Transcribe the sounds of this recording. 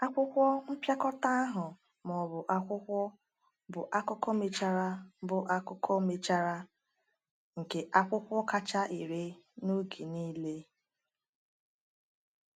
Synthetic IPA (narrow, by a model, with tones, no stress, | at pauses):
a˦kʷʊ˦kʷɔ˦m̩˦pja˦kɔ˦ta˦a˦ɦʊ˨ | mɔ˨bʊ˨ʔa˦kʷʊ˦kʷɔ˦ | bʊ˨ʔa˦kʊ˦kɔ˦me˨t͡ʃa˦ɾa˦bʊ˨ʔa˦kʊ˦kɔ˦me˨t͡ʃa˦ɾa˦ | ŋ̩˨ke˨ʔa˦kʷʊ˦kʷɔ˦ka˦t͡ʃa˦ʔi˨ɾe˦no˦ɡi˨niː˦le˦